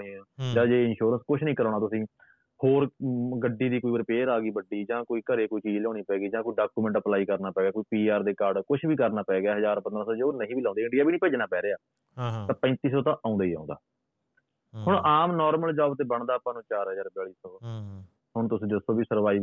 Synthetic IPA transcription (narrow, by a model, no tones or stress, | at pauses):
ɽĩd͡ʒãːd͡ʒeːɪnʃuːɾənskʊʃʰnəɦĩːkəɾaːɽ̃aːt̪ʊsĩː | hoːɾɡəɖːiːd̪iːkoːiːbəɾpeːɾaːɡiːbəɖiːd͡ʒãːkoːiːkəɾeːkoːiːt͡ʃiːd͡ʒlɛ̃ːniːpɛːɡiːd͡ʒãːkoiːɖaːkuːmɛ̃ːɳʈəplaːiːkəɾnaːpɛːɡjaːkoiːpiːaːɾd̪eːkaɾɖkʊt͡ʃʰbiːkəɾnaːpɛːɡjaːɦəzaːɾpə̃nd̪ɾaːsɔːd͡ʒeːoːnəɦĩːbiːlãːnd̪ːɪɳɖijaːbiːnĩːpeːd͡ʒnaːpɛːɾeːaː | t̪ãːpə̃ːnt̪iːsɔːt̪ãːʔãːnd̪aːiːã̰ːnd̪a̰ː | hʊɳʔaːmnɔːɾməld͡ʒaːbt̪eːbəɳd̪aːəpãːnũːt͡ʃaːɾɦəzaːɾbɛːɭiːsɔː | hʊɳt̪ʊsĩːd͡ʒɪsõːbiːsəɾʋaːiː